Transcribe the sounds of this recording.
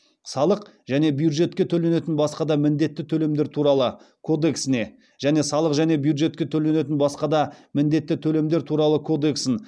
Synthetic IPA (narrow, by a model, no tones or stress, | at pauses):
sɑlˠəq | ʒæne̞bjud̪ʒe̞t̪kʲe̞t̪ʰɵle̞ne̞t̪ɪnbɑsqɑd̪ɑmɪnd̪e̞t̪ːɪt̪ʰɵle̞md̪e̞ɾt̪ʰuɾɑlˠə | kʰo̞d̪e̞ksɪne̞ | ʒ̥æne̞sɑlˠəqʒæne̞bjud̪ʒe̞t̪̚kʲe̞t̪ʰɵle̞ne̞t̪ɪnbɑsqɑd̪ɑmɪnd̪e̞t̪ːɪt̪ʰɵle̞md̪e̞ɾt̪ʰuɾɑlˠəkʰo̞d̪e̞ksɪn